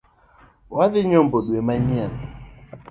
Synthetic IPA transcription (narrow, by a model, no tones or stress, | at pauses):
waðɪɲɔmboɗwemaɲian